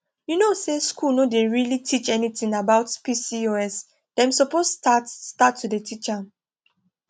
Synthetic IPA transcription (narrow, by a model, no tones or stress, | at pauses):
junoseskulnodeɹilitʰit͡ʃɛnitĩŋabaʊtpisioɛs | d̥ɛ̃msɔpostatstatʰːudetʰit͡ʃa